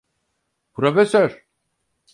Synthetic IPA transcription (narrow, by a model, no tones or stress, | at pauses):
pɾofesøɾ̥